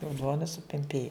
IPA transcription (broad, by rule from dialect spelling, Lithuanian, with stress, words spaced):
oː ˈduɔnɐ sʊpʲɛmʲˈpʲeːjʊ